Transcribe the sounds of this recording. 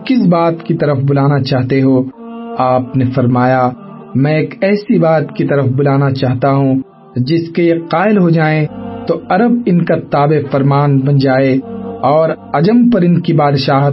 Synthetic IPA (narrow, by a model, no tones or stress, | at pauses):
kɪs̬baːt̪kit̪ɐɾəfbʊlaːnat͡ʃaːɦt̪eɦo | aːpnefɐɾmaːja | mɛ̃eːkɛːsibaːt̪kit̪ɐɾəfbʊlaːnat͡ʃaːɦt̪aɦũ | d͡ʒɪskejeqaːɪlɦod͡ʒaːẽt̪oɐɾəb̚ɪnkat̪aːbefɐɾmaːnbɐ̃nd͡ʒaːeɔːɾɐd͡ʒəmpɐɾɪnkibaːd̪ʃaːɦ